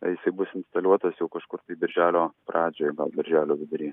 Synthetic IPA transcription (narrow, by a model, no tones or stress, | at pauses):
ɐjɪsɐbʊsʲɪnsʲt̪ɐlʲɔt̪ɐsjɛʊkɐʃkʊɾt̪ɐɪd̪ɪɾʲʒʲæːlʲoːprɑːd͡ʒʲoːjɛɡɐlˠd̪ʲɐɾʲʒʲæːlʲoːbʲɪd̪ʊɾʲiː